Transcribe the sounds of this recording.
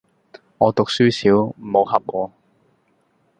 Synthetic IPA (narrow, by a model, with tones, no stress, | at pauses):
ŋɔː˨˧t̪ʊ˨k̚syː˥siː˨˥wmo˨˧whɐ˨p̚ŋɔː˨˧